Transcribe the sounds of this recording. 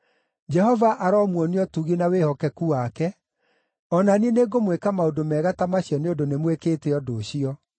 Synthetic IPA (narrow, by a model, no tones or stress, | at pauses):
d͡ʒɛhɔvaʔaɾɔmwɔniɔtuɣinawehɔkɛkuakɛ | ɔnanieneɡomwekamaondomɛɣatamaɕiɔneondonemwekeːteɔdoːɕiɔ